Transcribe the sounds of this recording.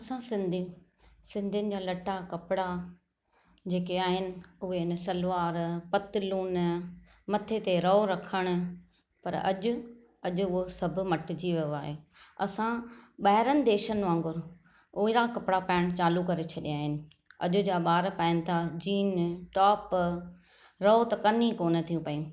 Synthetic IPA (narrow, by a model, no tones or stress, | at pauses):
ɐsãsɪ̃nd̪ʱi | sɪ̃nd̪ʱijnɪ̆d͡ʑaːlɐʈakɐpɪɽa | d͡ʑeːkeaːɦɪnɪ̆ʊɦeɪnəsɐlʋaːɾpɐt̪ɪluːn | mɐt̪ʰet̪eɾɐoɾɐkʰəɽ̃ʊ̆ | pɐ̰ɾɐ̰ʄʊ̆ | ɐʄʊʊɦosɐbʱʊ̆mɐʈɪ̆d͡ʑiʋɐaːɦeːɐ̰sãɓaːɦɪɾənɪ̆d̪eːʃənɪ̆ãːŋɡʊɾ | oːɾakɐpɪɽapaːɪɽ̃t͡ɕaːlukɐɾet͡ɕʰɐɗiaːɦɪnɪ̆ | ɐ̰ʄʊ̆d͡ʑaːɓaːɾpaːɪnɪ̆t̪ʰad͡ʑiːnʈɔːp | ɾɐot̪ɐkɐnĩkoːnət̪ʰijũpɐĩũ